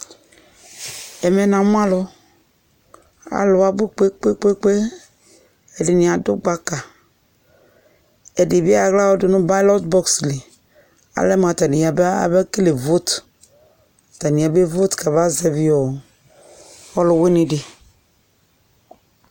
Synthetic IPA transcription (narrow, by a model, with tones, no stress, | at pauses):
ɛ˨mɛ˨nã˨m̃˦ã˦lʊ˦ | a̰˨lʊ˨a˦bo˦k͡pe˦k͡pe˦k͡pe˦k͡pe˦ | ɛ˨dɪ˨nĩ˨a˨dʊ˦ɡ͡ba˦ka˨ | ɛ˨de˨bi˦a˨ɣla˦wɔ˦dʊ˨nʊ̃˦ba˦lɔ˦tbɔ˦ksle˨ | a̰˨lɛ˦m˨a˨ta˨ni˨a˨ba̰˨bɛ˦ke˦le˨vo˦t | a˨ta˨nĩ˨a˨be˦vo˦tka˨ba˦zɛ˨vi˦ɔ˨ | ɔ˦lʊ˨we˦ne˨de˨